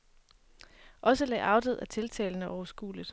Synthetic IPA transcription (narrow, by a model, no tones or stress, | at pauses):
ʔɒ̽səlɛ̰ːʔɑ̈ʊd̥əð̞̩̰ˠæt͡sʰe̝lt͡sʰɛ̰ːlnəʔɒʊɐsɡ̥ṵːliðˠ